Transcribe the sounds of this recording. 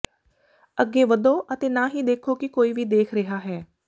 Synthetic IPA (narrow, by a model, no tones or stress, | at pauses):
əɡːeːʋəd̪õːʔət̪eːnaːɦiːd̪eːkʰoːkɪkoːiːʋiːd̪eːkʰɾɪɦaːɦɛː